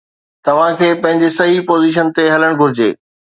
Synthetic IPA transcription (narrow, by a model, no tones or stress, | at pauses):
t̪ɐʋ̤ãkʰeːpɐ̃ɦɪ̃ɲd͡ʑesɐɦipoːziʃ̬ənt̪eɦɐləɽ̃ɡʱʊɾɪd͡ʑḛː